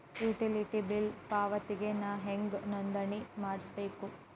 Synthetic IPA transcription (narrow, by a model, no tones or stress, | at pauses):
juːʈiliʈibilpaːʋɐt̪iɡe̞naːɦeŋɡnond̪ɐɳimaːɽsbeːku